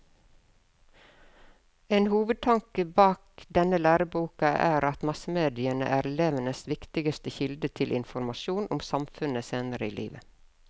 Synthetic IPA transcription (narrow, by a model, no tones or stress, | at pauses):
eːnhuːʋəd̪̚t̪ʰɑŋkəbɑːkd̪ɛnəlæːɾəbuːkɑʔæːɾɑt̪mɑsəmeːd̪ɪənə̰ʔæːɾɛleːʋənəsʋɪkt̪ɪɡəst̪əçɪld̪ət̪ʰɪlʔɪnfɔɾmɑʃuːnʔʊmsɑmfʉnəseːnəɾəḭːlʔḭːʋə